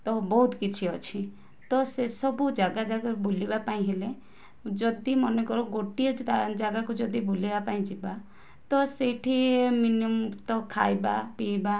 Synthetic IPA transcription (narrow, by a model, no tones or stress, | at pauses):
t̪ɔbɔɦut̪kit͡ʃʰiɔt͡ʃʰi | t̪ɔsesɔbud͡ʒaɡad͡ʒakbulibapaĩɦele | d͡ʒɔd̪imɔnekɔɾɔɡoʈiɔd͡ʒaɡakud͡ʒɔd̪ibulibapaĩd͡ʒiba | t̪ɔseʈʰieminumt̪ɔkʰa̰jba̰piba